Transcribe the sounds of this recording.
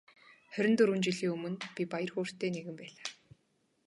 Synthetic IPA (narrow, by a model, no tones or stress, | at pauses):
χœɾʲɪ̆nt̪ɵɾunt͡ɕĭɮiːŋɵmɵ̆npʲipajə̆rxoːr̥t̪ːeːneɣɘ̆mpæːɮaː